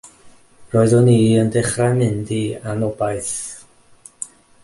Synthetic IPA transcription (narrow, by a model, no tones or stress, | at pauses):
roːɨðɔniːəndɪχramɪndianɔbaɨθ